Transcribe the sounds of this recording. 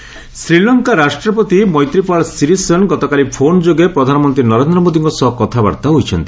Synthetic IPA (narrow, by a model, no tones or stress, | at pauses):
sɾilɔŋkaɾasʈɾɔp̬ɔt̪imɔjt̪ɾipaɭsiɾisɔnɡɔt̪ɔkalipʰond͡ʒoɡepɾɔd̪ʱanɔmɔnt̪ɾinɔɾend̪ɾɔmod̪iŋkɔsɔɦɔkɔt̪ʰaba̰ɾt̪aɦujt͡ʃʰɔnt̪i̥